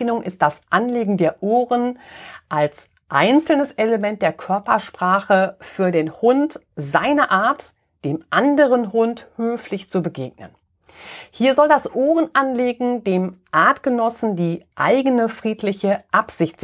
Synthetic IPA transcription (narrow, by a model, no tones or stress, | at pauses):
nʊŋʔɪ̰st̚d̥asʔanleːɡŋ̩deːɐʔoːʁənʔals | ʔa̰ɪnt͡sl̩nəseləmɛnt̚d̥eːɐkʰœɐpɐʃpʁ̥aːχəfyːɐdeːnhʊnt | zaɪnɐʔaːɐt | d̥eːmʔandəʁənɦʊnthøːflɪçt͡subəɡeːɡ̚nə̰n | hiːɐzɔldasʔoːʁənʔanleːɡŋ̩deːmʔaɐtɡ̥ənɔsn̩diːʔa̰ɪɡənəfʁ̥iːtʰlɪçəʔapz̥ɪçt